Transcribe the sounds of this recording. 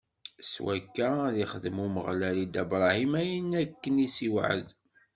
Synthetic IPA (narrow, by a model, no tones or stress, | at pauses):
swækːæðiχəðəmuməʁlælid̪æbɾˤɑhimæjənækːənisiwʕə̰d̪